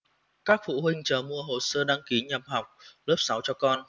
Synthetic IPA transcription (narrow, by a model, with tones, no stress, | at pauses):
kaː˦˥k̚fṵ˧˨ɦï˧ŋ̟t͡ɕəː˨˩mu˧əɦo˨˩səː˧ɗaː˧ŋki˨˦ɲə˨˩p̚ha˨˩wk͡p̚ləː˦˥p̚sa˨˦wt͡ɕɔ˧kɔ˧n